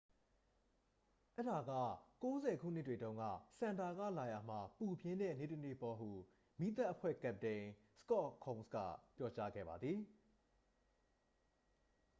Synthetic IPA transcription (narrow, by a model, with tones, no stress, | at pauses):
ʔɛ˦da˨ɡä̰˦˨ko˦zɛ˨kʰṵ˦˨n̥ɪ˦twe˨dõ˦ʊ̃ŋɡä̰˦˨sã˨nda˨ɡä̰˦˨la˨ja˨m̥a˨pu˨bjɪ̃˦nɛ̰˦˨ne˦˨tə˦˨nḛ˦˨pɔ˦ɦu˨ | mi˦t̪̬a˦ʔəpʰwɛ̰˦˨kɛ˦˨p̚tẽ˨ | sə̥kɔ˦ʔkʰɔ̃˨nskä̰˦˨pjɔ˦˨t͡ɕa˦ɡɛ̰˦˨ba˨d̪ði˨